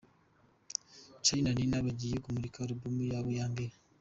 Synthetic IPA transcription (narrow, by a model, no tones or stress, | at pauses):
t͡ʃainaninaβaɟijekumuɾikauɾubumujaβojaːmbeɾe